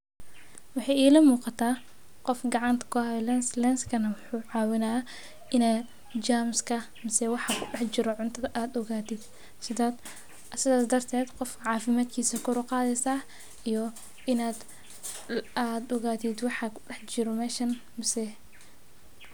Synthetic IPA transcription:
wɑħɑjiːlɐmuːqɑt̪ʰaː | qɔfɡɑʕɑnt̪ʰɐ̥kʰʊhɐlɛnslɛnskʰɐnɐwʊħuːʕɑːwɪnaːɐ | ʔɪnaːd̪ | d͡ʒaːmskʰɐ | mɐsɛwɑħɑkʰʊɗɛħt͡ʃɪɾɔʕʊnt̪ʰɐðɐʔaːd̪ɔɣaːt̪ʰid̪ | sɪda | sɪðaːsd̪ɐrt̪ʰɛːd̪qɔfʕɑːfɪmaːd̪kʰiːsɐkʰʊɾʊqɑːðɛsaː | ijɔ | ʔɪnaːd̪ | aːd̪ɔɣaːt̪ʰid̪wɑħɑkʰʊ̥ɗɛħd͡ʒɪɾɔmɛːʃɐn | mɐsɛ

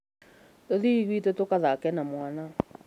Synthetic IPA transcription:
toðiɣwitɛtokaðakɛnamwana

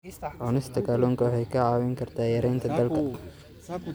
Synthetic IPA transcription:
ʕɔnɪst̪ʰɐkʰɐlɔːŋkʰɐwħɛjkʰɐʕɑːwɪŋkʰɐrt̪ʰaːjɐɾɛjnt̪ʰɐd̪ɐlkʰɐ

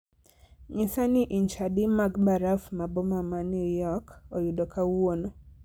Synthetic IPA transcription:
ɲɪsaniʔiɲt͡ʃadimaɡbaɾafmabomamanujɔkojudokawono

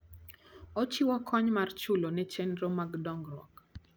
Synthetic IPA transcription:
ɔt͡ʃɪwɔkʰɔɲmart͡ʃulonɛt͡ʃɛnɾomaɡdɔŋɡrwɔ̰k

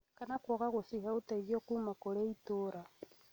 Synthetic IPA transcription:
kanakoɣaɣusixautaiβjokumakoleitoɾa

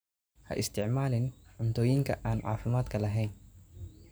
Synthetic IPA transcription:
hɐ̰ʔɪst̪ʰɪʕmaːlɪnʕʊnt̪ʰɔːjɪŋkʰɐʔaːnʕa̰ːfɪmaːd̪kʰɐlɐɦɛːn

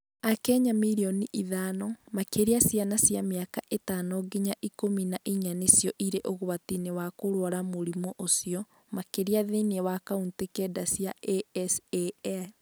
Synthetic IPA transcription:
akɛɲamiɾiɔniʔiðaːnɔmakeɾeasjanasjameakaʔetaːnɔɡeɲaʔikominaʔiɲanesjɔʔiɾeʔoɣoatinewakoɾwaɾamoɾimoʔosiɔ | makeɾiaðeniɛwakauntekɛdasijaeɛseɛ

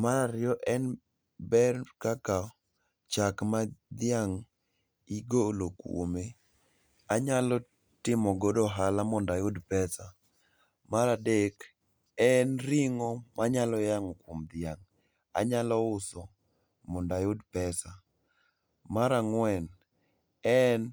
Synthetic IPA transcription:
maɾaɾɪjɔʔɛn | bɛrkaka | t͡ʃakmad̪ɪjaŋ | iɡolokwo̰me | aɲalɔ | tɪmɔɡodɔɦalamɔndajʊdpɛsa | maɾadek | ɛnɾiŋɔmaɲalɔjaŋɔkwomd̪ɪaŋ | a̰ɲalɔʊsɔ | mɔndajʊdpɛsa | maɾaŋwɛn | ɛn

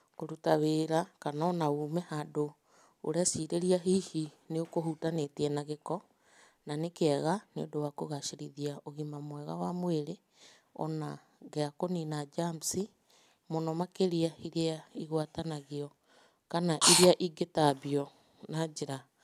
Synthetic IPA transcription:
koɾutaβeːɾakanɔnaumɛhado | oɾeasiɾeɾiaɦihineokoɦutanetɛnaɣekɔ | nanekɛɣaneo̰dowakoɣaʃiɾiðiaʔoɣimamwɛɣa̰wamweɾe | ɔ̰na | ɣeakoninad͡ʒamsi | monɔmakeɾiaiɾeaiɣwatanaɣiɔ | kanaʔiɾeaʔiɡetabiɔ | nad͡ʒeɾa

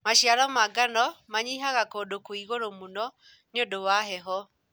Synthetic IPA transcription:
maʃjaɾamaɡanɔmaɲiɦaɣakoːdokoiɣoɾomunɔ | nodowaɦɛɦɔ

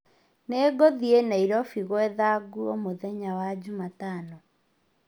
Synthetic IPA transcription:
neːɡoðienaiɾɔfiɣwɛðaɡuomoðɛɲawad͡ʑumatanɔ

